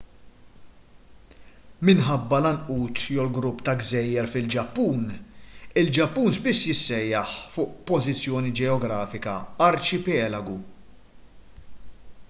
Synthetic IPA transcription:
mɪnħɐbːɐlɐnʔuːt̪jɔwlɡɾʊpːt̪ɐɡzɛjːɛɾfɪld͡ʒɐpːuːn | ɪld͡ʒɐpːuːnspɪsːjɪsːɛjːɐħfʊːʔpɔzɪt͡sːjɔːnid͡ʒɛɔɡɾɐːfɪkɐɐɾt͡ʃɪpɛːlɐɡu

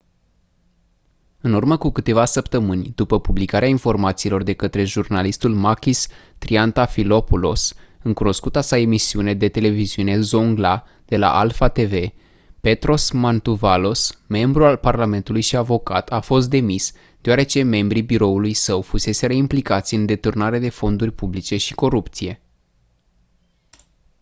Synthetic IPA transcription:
ɨnurməkukɨt̪e̞vasəpt̪əmɨnʲd̪̥upəpublikaɾeainfo̞rmat̪siːlo̞rd̪e̞kət̪ɾe̞ʒurnalist̪ulmakʲist̪ɾiant̪afilo̞pulo̞̰sɨŋkuno̞skut̪asae̞misiune̞d̪e̞t̪e̞le̞viziune̞zoŋɡla | d̪̥e̞la̰ʔalfat̪e̞ve̞ | pe̞t̪ɾo̞smant̪uvalo̞sme̞mbɾualparlame̞nt̪ulujʃiavo̞ka̰t̪ʰafo̞st̪̚d̪e̞mis | d̪̥eoaɾe̞t͡ʃe̞me̞mbɾibiɾo̞ulujsəwfuse̞se̞ɾəimplikat̪sʲɨnd̪e̞t̪urnaɾed̪e̞fo̞nd̪urʲpublit͡ʃe̞ʃiko̞ɾupt̪sije̞

